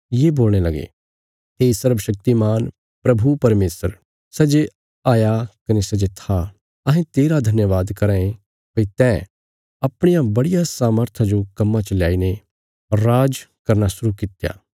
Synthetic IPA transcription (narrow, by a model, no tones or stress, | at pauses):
jeːboːlɽ̃elɐɡḛ | ɦesɐɾbʃɐk̚t̪imaːn | pɾɐbʱupɐɾmeːsəɾ | sɛd͡ʒe | aːjakɐnesɐd͡ʒet̪ʰa | ɐɦẽt̪eːɾad̪ʱɐnjəʋaːd̪kɐɾãːẽ | pɐit̪ɛː | ɐpɽ̃ɪjabɐɽɪjasaːməɾt̪ʰad͡ʒokɐmːãt͡ʃɐlja̰ːine | ɔɾːaːd͡ʒkɐɾnasʊɾukɪt̪ja̰ː